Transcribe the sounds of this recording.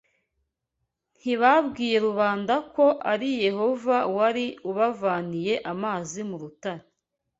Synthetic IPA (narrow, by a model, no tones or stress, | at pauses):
n̥hiβabɡiːje̞ɾuβaːndako̞ʔaɾije̞ho̞vawaɾiuβavaːnije̞ʔamaːzimuɾutaɾa